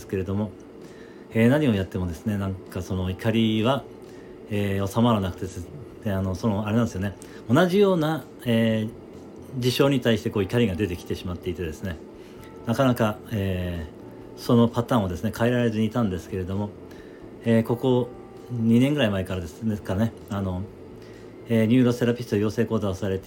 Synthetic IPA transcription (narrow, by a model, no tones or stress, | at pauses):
sɨ̥ke̞ɾed̪o̞mo̞ | e̞ːnaɲ̟io̞jat̪ːe̞mo̞d̪e̞sɨne̞nãŋkaso̞no̞ikaɾʲiβa | eːo̞samaɾanakɯ̟̥t̪e̞d̪ | eano̞sonoaɾenand̪sɨjone | o̞naʑijo̞ːna | eː | d͡ʑiɕo̞ːɲ̟it̪aiɕit̪e̞ko̞ːikaɾʲiɡad̪e̞t̪e̞kʲi̥t̪e̞ɕimat̪ːe̞it̪e̞d̪e̞sɨne̞ | nakanakaeː | so̞no̞pat̪ãɰ̃o̞d̪e̞sɨne̞kʰaiɾaɾɾe̞zɨɲ̟iːt̪ãnd̪e̞sɨ̥ke̞ɾe̞d̪o̞mo̞ | eːko̞ko̞ | ɲ̟inẽ̞ŋɡɯ̟ɾaimaekaɾad̪eskane̞ | ano̞ | eːɲ̟ɨːɾose̞ɾapʲi̥st̪ojoːse̞ːko̞ːd̪aosaɾe̞t̪e